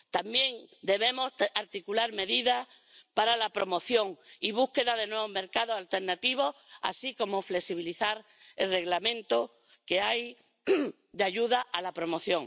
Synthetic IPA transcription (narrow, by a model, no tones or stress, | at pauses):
t̪ambje̞ŋd̪e̞βe̞mo̞saɾt̪ikulaɾme̞ðiða | paɾalapɾo̞mo̞θjõ̞ŋiβ̞uhke̞ðaðe̞nweβome̞ɾkaðosalt̪e̞ɾnat̪iβ̞o̞ha̰siko̞mo̞fle̞siβ̞iliθaɾ | elre̞ɣlamẽ̞nt̪o | ke̞aj | d̪eaʎuðaʔalapɾo̞mo̞θjõ̞ŋ